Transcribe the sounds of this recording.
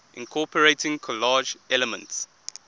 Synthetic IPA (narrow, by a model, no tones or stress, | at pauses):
ʔɪ̰̃nkʰɔːˑpəɹeɪtɪ̃ŋkʰɔlɑːʒɛləmə̃nts